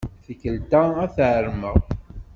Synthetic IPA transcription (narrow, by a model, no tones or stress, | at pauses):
θəkːəlt̪aæθʕəɾməð